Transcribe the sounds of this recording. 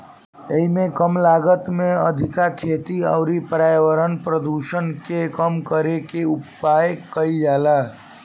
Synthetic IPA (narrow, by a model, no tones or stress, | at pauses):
eɦimẽkəmlaɡət̪mẽəd̪ʱikakʰeːt̪iə̰ʊɾipɾaːjʋəɾənpɾəd̪uʃənkekəmkəɾekeupːajkəid͡ʒala